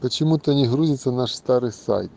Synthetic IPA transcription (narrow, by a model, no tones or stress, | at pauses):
pɐt͡ʃɪmut̪ɐnʲiɦɾuzʲɪsʲɐnɑʂst̪ɑɾɪjsa̰jt̪̚